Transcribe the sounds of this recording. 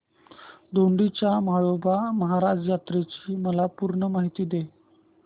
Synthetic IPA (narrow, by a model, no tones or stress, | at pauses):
d̪oɳɖit͡ɕjamaɭobaməɦaɾad͡zjat̪ɾet͡ɕiːməlapuɾɳəmaɦit̪iːd̪e